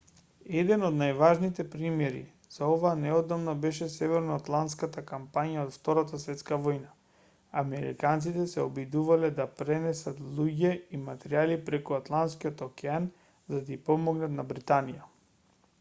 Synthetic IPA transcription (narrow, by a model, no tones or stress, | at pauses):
ɛd̪ɛnod̪najvaʒnit̪ɛpɾimjɛɾḭ | z̥aɔvaːnɛɔd̪amnabɛʃɛsɛvɛɾnoɔat̪lˠant̪skat̪akampaɲjaot̪ft̪ɔɾat̪asvɛt̪skavɔjna | amɛɾḭkant̪sit̪ɛsɛɔbid̪uvalɛd̪apɾɛnɛsat̪lˠuɟɛimat̪ɛɾialipɾɛkuat̪lˠant̪skiot̪okɛan | zad̪aipɔmɔɡnat̪nabɾit̪anija